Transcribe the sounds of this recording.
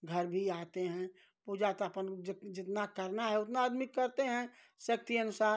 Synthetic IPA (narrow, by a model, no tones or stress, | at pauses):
ɡʱəɾbʱiaːt̪eɦɛ̃ | puːd͡ʒat̪əpənd͡ʒd͡ʒɪt̪nakəɾnaɦɛʊt̪naəd̪mɪkːəɾt̪eɦɛ̃ | sək̚t̪iɐnʊsaːɾ